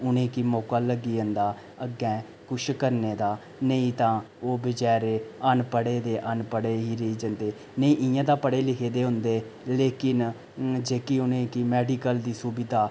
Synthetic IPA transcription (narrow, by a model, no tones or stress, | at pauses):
ʊnẽːkiːmɔːkaːləɡːiːənd̪aː | əɡɛ̃ː | kʊʃkəɾneːd̪aː | nəĩːt̪ãː | oːbɪd͡ʒɛːɾeːənpəɽeːd̪eːʔənpəɽeːɦiːɾəiːd͡ʒənd̪eː | nəĩːʔɪjãːd̪aːpəɽeːlɪkʰeːd̪eːɦʊ̃nd̪eː | leːkɪn | d͡ʒeːkiːʊnẽːkiːmɛːɖiːkəld̪iːsuːbɪd̪aː